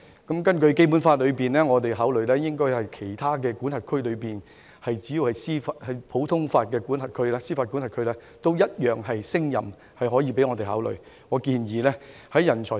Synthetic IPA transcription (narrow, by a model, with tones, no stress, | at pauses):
kɐ˨˥mkɐ˥nkɵ˧ɥke˥jp̬u˨˥nfaː˧t̚lɵ˨˧ɥpiː˨nlɛː˥ŋɔː˨˧t̪e˨jɦaː˨˥wlɵ˨ɥlɛː˥jɪ˥ŋkɔː˥jhɐ˨jkʰe˨˩jt̪ʰaː˥k̬ɛː˧kuː˨˥nhɐ˨t̚kʰɵ˥ɥlɵ˨˧ɥpiː˨n | hɐ˨jt͡siː˨˥ji˨˧whɐ˨˩jsiː˥faː˨thɐ˨jpʰo˨˥wt̪ʰʊ˥ŋfaː˧t̚kɛː˧kuː˨˥nhɐ˨˩t̚kʰɵ˥ɥlɛː˥siː˥faː˧t̚kuː˨˥nhɐ˨t̚kʰɵ˥lɛː˥ | t̪o˥wjɐ˥t̚jœː˨ŋɦɐ˨jsɪ˥ŋjɐ̰˨˩m | hɐ˨jɦɔː˨˥jiː˨˧pe˨˥jŋɔ˨˧t̪e˨˩ɦaː˨˥wlɵ̰˨ɥ | ŋɔː˨˧kiː˧njiː˨lɛː˥hɐ˨˥jjɐ˨˩nt͡ʃʰɔː˨˩